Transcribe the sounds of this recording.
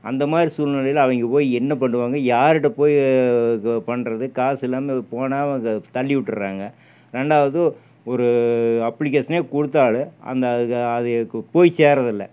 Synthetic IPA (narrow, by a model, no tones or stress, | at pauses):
ɐ̰nd̪ɐmaːd̪ɾisuːlnɪlɐjɪlɐʋɐŋɡɐpoːjɛnːɐp̬ɐɳɖɯʋaːŋɡɐjaːɾɪʈ̬ːɐpoːj | pɐɳːɾɐðɯkaːsɪlːaːmepoːnaːʋɐŋɡɐt̪ɐɭːɪʋɪʈːɾɯɾaːŋɡɐ | ɾɛɳɖaːʋɐðɯ | ɔɾɯɐpːlɪk̬eːʂɐneːkʊɽɯt̪̬ːaːɭɯɐ̰nd̪ɐɐðɯpoːjseːɾɐðɪlːɐ̰